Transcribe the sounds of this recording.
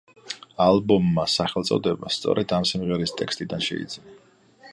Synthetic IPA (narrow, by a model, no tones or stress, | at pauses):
alˠbɔmːasaχɛlt̪sʼɔ̰d̪ɛbast̪sʼɔ̰ɾɛd̪amsimʁɛɾist̪ʼɛkst̪ʼid̪anʃɛ̰ḭd̪z̥ina